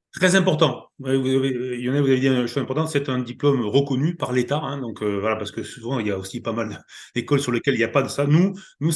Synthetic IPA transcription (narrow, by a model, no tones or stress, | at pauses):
t̪χɛzɛ̃pɔʁt̪ɑ̃wɛvuzavejɔ̃nɛvuzaved̪ĩnʃozɛ̃pɔʁt̪ɑ̃t̪sɛt̪ɛ̃d̪iplɔmʁəkɔnypaʁlet̪aɛ̃d̪ɔ̃kʰøvwalapaʁsə̥kəsuvɑ̃iljaosipamald̪əd̪ekɔlsyʁləkʲɛliljapad̪əsanunu